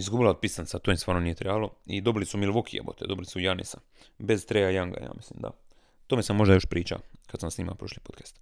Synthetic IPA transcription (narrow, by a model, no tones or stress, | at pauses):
izɡubilaod̪̚pisansat̪omisaːɾnoniːjet̪ɾebaloid̪o̞bilisumilʋokʰijḛbo̰t̪ed̪o̞bilisujanḭsa | be̞zt̪ɾejajaŋɡa̰ja̰ːmislimd̪a̰ | t̪omesamːo̞ʒd̪ajo̞ʃpɾiːt͡ʃa̰kad̪samsniːma̰pɾoʃlipot̪kḁst̪